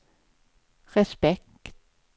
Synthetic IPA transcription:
ʁɛspɛk | t̪

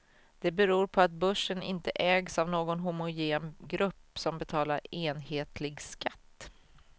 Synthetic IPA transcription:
d̪̥ɛbɛɾuːɾpʰɔat̪̚bɵʂːənɪ̰nt̪ə̰ʔɛːɡsavnoːɡɔnɦʊmʊjeːmɡɾɵpːsɔmbɛt̪ʰɑːlaɾeːnheːt̪ʰlɪɡskat̪ː

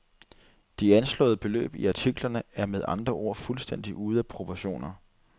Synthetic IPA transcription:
d̥iænslɔ̰̽ːð̞̩ˠb̥e̝lø̰ːb̥iɑ̈t͡sʰiɡ̥lɐnəæɐmeð̞ˠɑ̈nd̥ʁɐʔo̝ɐ̰fulsd̥en̰d̥iʔuːð̞ˠæpʰʁo̝pʰɒɕo̝̰ːnɐ

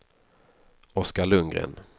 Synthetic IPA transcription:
ɔskaɭɵŋɡɾḛːn

